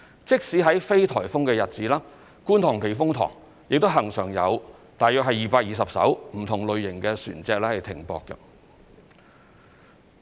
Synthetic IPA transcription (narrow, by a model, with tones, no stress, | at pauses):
t͡sɪ˥k̚siː˨˥ɦɐ˨˥jfe˥jt̪ʰɔː˨˩jfʊ˥ŋkɛː˧jɐ˨t̚t͡siː˨˥laː˥ | kuː˥nt̪ʰɔː˨˩ŋpʰe˨˩jfʊ˥ŋt̪ʰɔ̰ː˨˩ŋ | jɪ˨k̚t̪o˥wɦɐ˨˩ŋsœː˨˩ŋjɐ˨˧wt̪aː˨jœː˧k̚hɐ˨jːiː˨˩paː˧k̚jiː˨sɐ˨p̚sɐ̰˨˥wm̩˨˩t̪ʰʊ˨˩ŋlɵ˨˧ɥjɪ˨˩ŋkɛː˧sy̰ː˨˩nt͡sɛː˧k̚lɛː˥hɐ˨˩jt̪ʰɪ̰˨˩ŋpɔ̰ː˧kːɐ̰˧